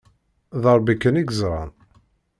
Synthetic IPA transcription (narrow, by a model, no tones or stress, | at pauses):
ðəɾˤbikːəniɡzɾˤɑn